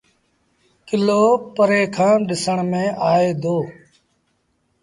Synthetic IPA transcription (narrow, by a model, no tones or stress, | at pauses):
kɪloːpəɾeːkʰãːɗɪsəɳmẽːʔaːeːd̪ʱoː